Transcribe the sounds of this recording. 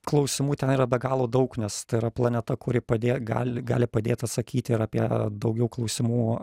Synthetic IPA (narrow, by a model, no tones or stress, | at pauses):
klˠɐʊsʲɪmuːt̪ʲɛniːɾɐbʲɛɡɑːlˠoːd̪ɐʊknʲɛst̪ɐɪiɾɐplˠɐnʲɛt̪ɐkʊɾʲɪpɐd̪ʲeːɡɑ̰ːlʲɪɡɑ̰ːlʲɪpɐd̪ʲeːt̪ɐt̪sɐkʲiːt̪ʲɪɪɾɑpʲiɛd̪ɐʊɡʲɛʊklˠɒʊsʲɪmuː